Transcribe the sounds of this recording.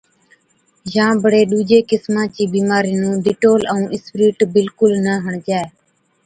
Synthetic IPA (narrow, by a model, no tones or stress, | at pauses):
d͡ʒãːbəɽeːɗuːd͡ʒeːkɪsmãːt͡ʃiːbiːmaːɾiːnũːd̪ɪʈoːləũːʔɪspɾiːʈbɪlkʊlnəɦəɳd͡ʒaːeː